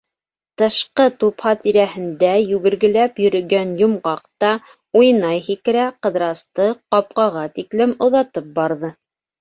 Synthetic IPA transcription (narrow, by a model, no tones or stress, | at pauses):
t̪ɤ̆ʃqɤt̪uphɑt̪iɾæhɘ̆nd̪æjʉɡɘ̆ɾɡɘ̆læpjɵ̆ɾɵ̆ɡænjŏmʁɑqt̪ɑ | ujnɑjhikɘ̆ɾæqɤ̆ðɾɑst̪ɤqɑp̚qɑʁɑt̪iklɘmŏðɑt̪ɤp̚bɑɾðɤ